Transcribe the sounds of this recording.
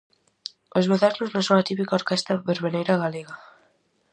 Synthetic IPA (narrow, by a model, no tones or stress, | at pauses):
ozmeðaznoznõŋsõŋat̪ipikaoɾkɛst̪ɐβeɾβenejɾaɣaleɣa